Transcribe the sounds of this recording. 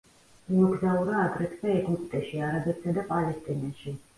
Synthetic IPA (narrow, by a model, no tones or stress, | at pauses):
imɔɡzauɾaːɡɾɛt̪ʼʰvɛɛɡupʼt̪ʼɛʃiaɾabɛt̪sad̪apʼalɛst̪ʼinaʃi